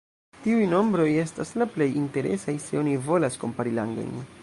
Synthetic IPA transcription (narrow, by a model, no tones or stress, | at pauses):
tiujno̞mbɾo̞je̞staslaple̞jinte̞ɾe̞̰sajse̞o̞nivo̞lasko̞mpaɾila̰ŋɡo̰jn